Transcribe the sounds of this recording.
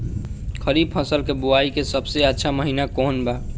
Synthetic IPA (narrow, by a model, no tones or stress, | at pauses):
kʰəɾib̚pʰə̃səlkebuaikesəbseətːʃʰaməɦinakoːnba